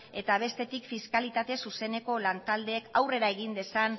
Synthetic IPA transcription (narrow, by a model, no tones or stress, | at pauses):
e̞t̪aβ̞e̞st̪e̞t̪ikfiskalit̪at̪e̞suse̞ne̞ko̞lant̪ald̪e̞ːkawre̞ɾae̞ɣ̞ind̪e̞san